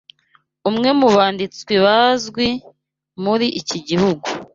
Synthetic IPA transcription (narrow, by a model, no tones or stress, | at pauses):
umŋe̞muβaːndit͡swiβazɡwi | muɾiʔːciɟihuɡu